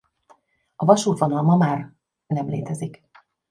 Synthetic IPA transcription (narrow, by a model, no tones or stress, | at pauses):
ɒvɒʃuːt̪ʋonɒlmɒmaːr | nɛmleːt̪ɛzik